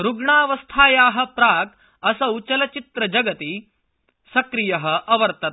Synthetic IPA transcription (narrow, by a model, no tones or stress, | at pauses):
ɾuɡɳaːʋɐst̪ʰaːjaːɦɐ̆pɾaːk | ɐsɐwt͡ʃɐlɐt͡ʃit̪ɾɐd͡ʒɐɡɐt̪i | sɐkɾijɐɦɐʔɐʋɐɾt̪ɐt̪